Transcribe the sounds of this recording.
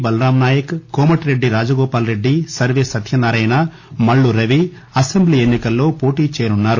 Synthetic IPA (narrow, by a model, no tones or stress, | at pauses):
bɐlɐɾaːmnaːjɐkkɔːmɐʈɾe̞ɖːiɾaːd͡ʒɐɡɔːpaːlɾe̞ɖːisɐɾʋeːsɐt̪ʰjɐnaːɾɐjna | mɐɭːuɾɐʋi | ɐsembliːenːikɐlːo̞ːpo̞ːʈiːt͡ʃɛːjɐnunːaːɾu